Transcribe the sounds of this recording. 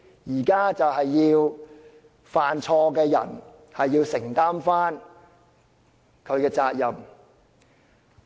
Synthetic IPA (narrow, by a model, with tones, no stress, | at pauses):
jiː˨˩kaː˥t͡sɐ˨wɦɐ˨jːiː˧w | faː˨nt͡ʃʰɔː˧kɛː˧jɐ̰˨˩n | hɐ˨jːiː˧wsɪ˨˩ŋt̪aː˥mfaː˥n | kʰɵ˨˧ɥkɛː˧t͡saː˧k̚jɐ˨m